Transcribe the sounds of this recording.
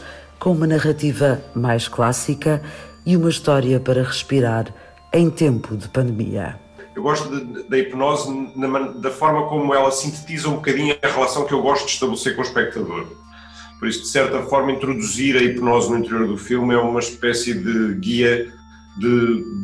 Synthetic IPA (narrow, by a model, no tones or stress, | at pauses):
kõumɐnɐʁɐt̪ivɐmajʃklˠasikɐiumɐiʃt̪ɔɾiɐpɐɾɐʁɨʃpiɾaɾ | ɐ̃j̃t̪ẽmpuðɨpɐ̃nd̪mḭɐ̰ | ewɣɔʃt̪uðɐd̪ɐipnɔznɐmɐd̪ɐfɔɾmɐkomuɛlˠɐsĩnt̪ɨ̥t̪izɐũbukɐðiɲuɐʁlˠɐsɐ̃w̃kewɣɔʃt̪ud̪ɨʃt̪ɐβlˠɨseɾkõuʃpɛk̚t̪ɐðoɾ | pɔɾisud̪ɨsɛɾt̪ɐfɔɾmɐĩnt̪ɾuðuziɾɐipnɔznuĩnt̪ɨɾioɾðufilˠmɛumɐʃpɛsiðɨɣiɐ | d̪ɨ